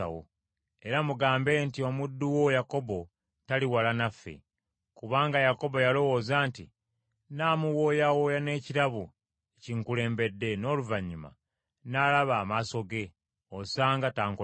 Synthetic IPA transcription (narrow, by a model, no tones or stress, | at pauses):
a̰wo̰ | eɾamuɡaːmbe̞ntio̞mudːuwo̞jako̞bo̞ | taliwalanafːḛ | kuβaːŋɡajako̞bo̞jalo̞woːzaːntḭ | naːmuwo̞ːjawo̞jane̞ːciɾaβu | eciŋkule̞ːmbe̞dːe̞no̞ːluvaɲːima̰ | nalaβaːmaso̞ɡe̞ | osaːŋɡataːŋko